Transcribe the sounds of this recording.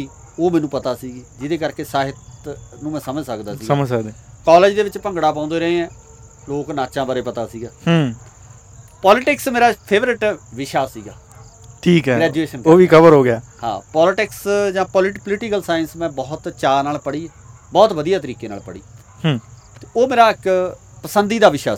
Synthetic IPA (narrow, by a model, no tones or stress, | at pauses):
iː | oːmɛ̃ːnũːpət̪aːsiːɡiːd͡ʒɪd̪eːkəɾkeːsaːɦɪt̪nũːmɛ̃ːsəməd͡ʒsəkd̪aːsiːsəməd͡ʒsəkd̪eːkɔːled͡ʒd̪eːʋɪt͡ʃpə̃ŋɡɽaːpãːnd̪eːɾəẽːɛ̃ː | loːknaːt͡ʃãːbaɾeːpət̪aːsiːɡaːh | pɔːlɪʈɪksmeːɾaːpʰeːʋəɾɪʈʋɪʃaːsḭːɡaː | ʈʰiːkɛɡɾɛːd͡ʒueːʃənkoːʋiːkʰəbəɾɦoːɡɪjaːhã̰ːpɔːlɪʈɪksd͡ʒãːpɔlɪʈpəlɪʈɪkəlsaːjɪnsmɛ̃ːbɔːʊt̪t͡ʃaːnaːlpəɽiː | bɔːt̪ʋəd̪ijaːt̪əɾiːkeːna̰ːlpəɽḭː | hː | t̪ːoːmeːɾaːɪk | pəsənd̪iːd̪aːʋɪʃa̰ː